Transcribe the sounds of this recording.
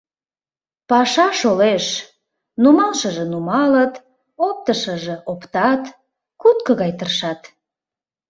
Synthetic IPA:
pɑʃɑʃoleʃ | numɑlʃəʒĕnumɑlət̪ | op̚t̪əʃəʒeopt̪ɑt̪ | kut̪̚kə̆ɣɑjt̪ərʃɑt̪

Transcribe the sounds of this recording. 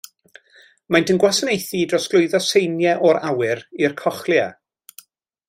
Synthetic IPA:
majndənɡwasənejθidrɔsɡ̥lˠʊɨðɔsejnjɛʔɔɾawɪɾirkʰɔχlja̰

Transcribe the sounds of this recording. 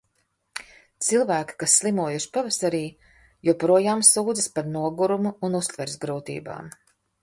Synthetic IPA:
t̪silˠvæːki̥kasːlˠimuɔjuʃi̥pavasaɾiː | jupɾuɔjaːmsuːd̪zɨspaɾnuɔɡuɾumuːnust̪vɛɾsɡɾuːt̪ḭːba̰ːm

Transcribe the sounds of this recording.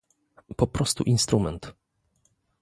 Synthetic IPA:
pɔpɾɔst̪ṵʔinst̪ɾumɛnt̪

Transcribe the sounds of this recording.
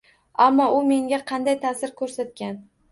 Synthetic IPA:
amːɒʊme̞ŋɡʲaqʰɑnd̪ajt̪ʰasɪɾkʰɵɾsat̪̚kʲan

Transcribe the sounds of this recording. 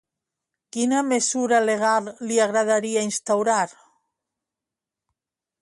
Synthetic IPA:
kinamesuɾaleɣ̞alːiaɣɾaðaɾiainst̪awɾaɾ

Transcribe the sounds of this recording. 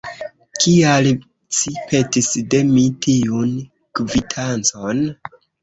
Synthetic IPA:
kʰial | sipʰe̞tisde̞mitʰiun | kvitʰant͡son

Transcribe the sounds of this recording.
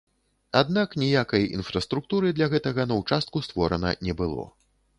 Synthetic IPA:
ad̪̚naknʲijakɐjḭnfɾɐst̪ɾuk̚t̪uɾɨd̪lʲɐɣɛt̪ɐɣɐnɐwt͡ʂast̪̚kust̪vɔɾɐnɐ̰nʲɛbɨlˠɔ̰

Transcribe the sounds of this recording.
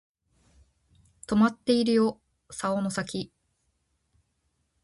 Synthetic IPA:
t̪o̞mat̪ːe̞iɾɯ̟jo̞ | saono̞sakʲi

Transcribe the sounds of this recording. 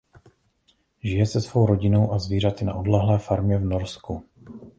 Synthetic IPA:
ʒɪjɛsɛsvo̞wɾo̞ɟɪno̞wʔazviːr̝at̪ɪna̰ʔodlɛɦlɛːfaɾmɲɛvno̞ɾsku

